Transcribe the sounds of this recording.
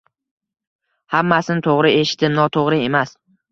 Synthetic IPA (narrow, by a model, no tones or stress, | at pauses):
hamːasɪnɪt̪ʰoʁɾɪe̞ʃɪ̥t̪ɪnɒt̪ʰoʁɾɪe̞mas